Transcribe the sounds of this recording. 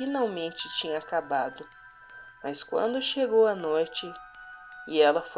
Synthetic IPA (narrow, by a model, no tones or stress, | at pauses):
inawmẽnt͡ʃɪt͡ʃĩɲɐakabad̪ʊ | mɐskwɐ̰̃nd̪ʊʃeɡowɐnojt͡ʃɪ | ɪɛlɐfo